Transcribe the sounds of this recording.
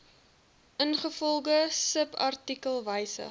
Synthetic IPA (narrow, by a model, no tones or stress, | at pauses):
ʔənχəfɔlˠɡəsəpɐ̰rtikəlˠvəjsə̰